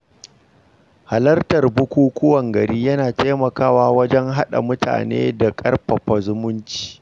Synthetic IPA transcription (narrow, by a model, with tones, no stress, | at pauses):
ha˨lɐ˦rtɐ˨rbʊ˦kʷuː˦kʷʊ˦wɐ˨ŋɡɐ˨ɾiː˦jɐ˦naː˨taː˦mɐ˨kaː˦waː˦wɐ˦d͡ʒɛ˦ŋɦa˦ɗa̰˨mʊ˦ta̰ː˨nḛː˦da˨kʼɐ̰˦rɸɐ˨ɸɐ˨zʊ˦mʊ˦nt͡ʃi̥ː˨